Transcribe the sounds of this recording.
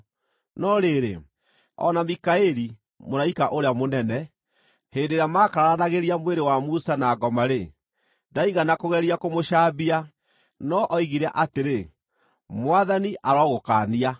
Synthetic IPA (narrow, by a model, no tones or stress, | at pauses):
nɔɾeɾḛ | ɔ̰namikaeɾi | moɾaikaʔoɾeamonɛnɛ | hendeɾamaːkaɾaanaɣeɾiamweɾewamusanaːɡɔmaɾe | daiɣanakoɣɛɾiakomoɕaːbia | nɔʔɔiɣiɾɛʔateɾe | mwaðaniʔaɾɔɣokaːnia